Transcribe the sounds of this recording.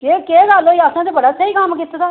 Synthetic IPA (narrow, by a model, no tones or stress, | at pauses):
kekeːɡaloːiasãt̪ebəɽaːsəiːkamkɪt̪ːt̪aː